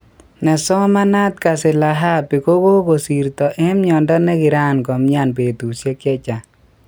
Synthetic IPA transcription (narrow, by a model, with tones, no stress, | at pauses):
nɛ˨sɔ˦ma˦na˦t̪̚ka˨sɪ˨la˨ɦa˦˨pi˨ko˦ɡo˦ko˨si˨ɾt̪ɔ˨ʔɛ˦mɲɔ˨ndɔ˦nɛ˦kɪ˨ɾa˦˨nkɔ˨mɲa˦˨npe˨t̪u˨sje˦kɛ˦t͡ʃa˨